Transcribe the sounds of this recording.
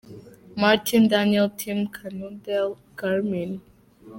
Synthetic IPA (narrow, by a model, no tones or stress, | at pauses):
maɹtʰĩndaniɛlˠtʰĩmkʰanudɛl | ɡ̥aɹmĩn